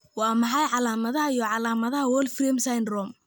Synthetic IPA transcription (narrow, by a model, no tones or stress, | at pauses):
wɑːmɑħɑjʕɑlaːmɐðɐɦɐijɔʕɑlaːmɐðɐɦɐwɔːlfrɛmsajnrɔːm